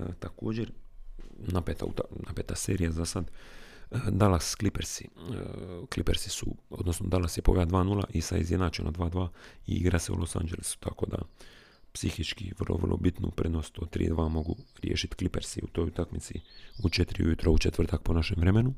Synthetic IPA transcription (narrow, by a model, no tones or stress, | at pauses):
ət̪ako̞ːd͡ʑeɾ | napet̪a̰ṵt̪anapet̪aseːɾijazasad̪ | əd̪alasklipeɾsi | klipeɾsi̥sṵod̪nosnod̪alasjepo̰ʋjad̪ʋaːnulˠa̰ʔisaizjed̪naːt͡ʃena̰d̪ʋaːd̪ʋaːiḭɡɾaseṵlʔosa̰nd͡ʒe̞lisu̥t̪ʰako̞d̪a̰ | psixit͡ʃkiʋərlʔoʋərlʔo̰bit̪nṵpɾed̪nost̪od̪̚t̪ːɾḭːd̪ʋaːmo̞ɡuɾjeːʃit̪klipeɾsiut̪o̞ːjut̪akmit̪siut͡ʃet̪ɾiṵjut̪ɾout͡ʃet̪ʋr̩t̪ak̚ponaʃemʋɾemenu